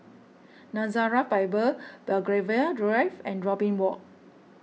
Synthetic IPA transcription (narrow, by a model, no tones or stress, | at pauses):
nãzaɹapajbəb̥ɛlɡɹevaadɹajvɛ̃ndɹɔpĩŋwɔʔ̚